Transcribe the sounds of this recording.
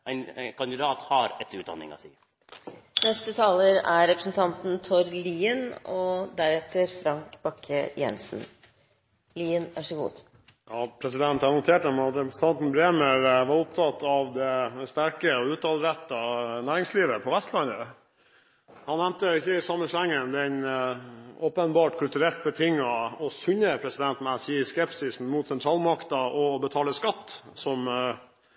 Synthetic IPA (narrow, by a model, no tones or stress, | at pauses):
æɪnkɑnd̪ɪd̪ɑːt̪hɑɾɛt̪ːɾʉːt̪d̪ɑ̰nːɪ̰ŋɑ̰sḭː | nɛst̪ət̪ʰɑːləɾæɾɛpɾəsn̩t̪ʰɑnt̪n̩t̪ʰɔɾliːənɔd̪æɾɛt̪əɾfɾɑŋkkbɑkʰəjɛ̰nsn̩ | liːənæʂɔɡṵːd̪ | jɑːpʰɾɛsɪd̪ɛnt̪hɑnʊt̪ʰeːʈ̚d̪ɛmɑt̪ɾɛpɾəsn̩t̪ʰɑnt̪n̩bɾeːməɾʋɑɾʊp̚t̪ʰɑt̪ːɑʋd̪ɛst̪æɾkəɔʉːt̪̚ɑlɾæt̪ːɑnæːɾɪŋsliːʋəpʰɔʋɛst̪lɑnə | hɑnæmt̪əɪçːəɪsɑmːəsæŋːənd̪ɛn | oːpənbɑːʈkʰʉlt̪ʉɾɛlt̪̚bət̪ʰɪŋːɑɔsʉɲːəpʰɾɛsɪd̪ɛnt̪mæsiːskɛpsɪsn̩muːt̪sɛnt̪ʰɾɑːlmɑkt̪ɑʔɔbət̪ʰɑːləskɑt̪ːsɔm